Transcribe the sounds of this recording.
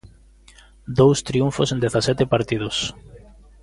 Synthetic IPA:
d̪owst̪ɾiuɱfosẽnd̪eθasɛt̪epaɾt̪ið̞ʊs

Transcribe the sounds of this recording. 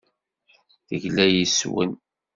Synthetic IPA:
θəʝlæjiswə̰n

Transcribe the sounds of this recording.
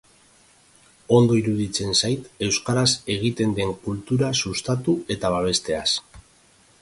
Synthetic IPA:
o̞nd̪o̞iɾuðit͡se̞nsajt̪e̞wskaɾase̞ɣ̞it̪e̞nd̪e̞ŋkult̪uɾasust̪at̪ue̞t̪aβ̞aβ̞e̞st̪e̞as

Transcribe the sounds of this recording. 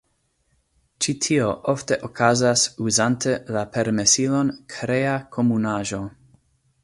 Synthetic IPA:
t͡ʃitʰioʔo̞fte̞ʔokʰazasuzantʰelapeɾmesilo̞nkʰɾeakʰo̞munaʒo̞

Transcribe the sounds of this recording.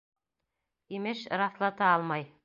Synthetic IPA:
imɘʃɾɑθlˠɑt̪ɑɑlˠmɑj

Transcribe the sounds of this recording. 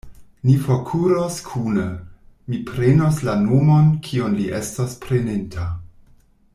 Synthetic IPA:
nifokʰuɾoskʰunə | mipɾenoslanomonkʰionliʔestospɾenentʰa

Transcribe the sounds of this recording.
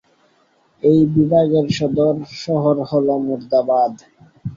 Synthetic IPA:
ejbibʱaɡeɾʃɔd̪oɾʃɔɦoɾholomuɾd̪abad̪

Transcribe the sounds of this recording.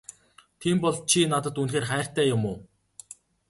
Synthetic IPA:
t̪ʰiːmpɔɮt͡ɕʰinat̪ə̆t̪unxeːrχæːr̥t̪æːjʊmʊː

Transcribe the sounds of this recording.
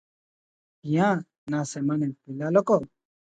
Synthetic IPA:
ɪjãː | naːsɛːmanɛ̃ːpɪlaːloːkoː

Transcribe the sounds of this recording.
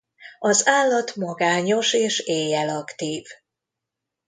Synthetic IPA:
ɒzaːlːɒt̪mɒɡaːɲo̞ʃeːʃeːjɛlɒkt̪iːv

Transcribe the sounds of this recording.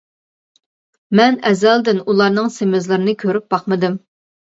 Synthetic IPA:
mɛnɛzɛld̪ɪnulˠɑɾnɨŋsemɪzlˠɨɾɨnɨkʲʰøɾyp̚bɑχmɨd̪ɨm

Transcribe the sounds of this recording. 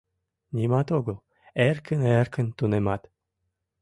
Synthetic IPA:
nʲimɑt̪oɡəlˠ | ɛrkʰənɛrkənt̪unemɑt̪

